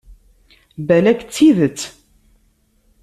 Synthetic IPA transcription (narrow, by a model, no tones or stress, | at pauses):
bælækt͡sːiðət͡sː